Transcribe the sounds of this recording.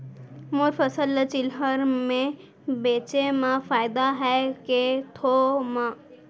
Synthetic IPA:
mʊɾfəsəlt͡ʃɪlɦəɾmẽ | beːt͡ʃemãfʰaːɪd̪aɦɛket̪ʰomã

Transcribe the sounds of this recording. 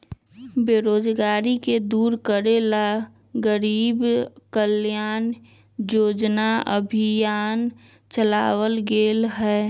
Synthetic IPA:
beːɾoːd͡ʒɡaːɾiked̪uːɾkəɾela | ɡəɾiːbkəljaːn | joːd͡ʒnaəbʱɪjaːn | t͡ʃəlaːwəlɡeːlɦɛː

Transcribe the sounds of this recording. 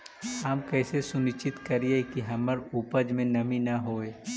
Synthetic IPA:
aːmkɛːsesʊnɪt͡ʃɪt̪kɐɾiekiɦɐməɾuːpəd͡ʒmẽnɐminɐɦoːeː

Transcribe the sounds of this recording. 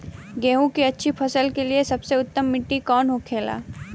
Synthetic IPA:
ɡeːɦũkiɐtːʃʰipʰɐsəlkeliesɐbseʊt̪ːəmːɪʈːikɔːnɦʊkʰeːla̰ː

